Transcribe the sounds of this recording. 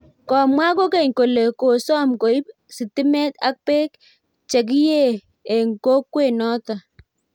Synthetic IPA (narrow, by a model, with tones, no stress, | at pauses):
kɔ˨mwa˦ko˦ke˨ɲko˨le˨ko˨sɔ˦mko˨i˦p | sɪ˨tɪ˦mɛ˦ta˦k̚pe˦k | t͡ʃɛ˨k̬i˦je˦˨ | e˨ŋko˦kwe˦˨nɔ˦ta˨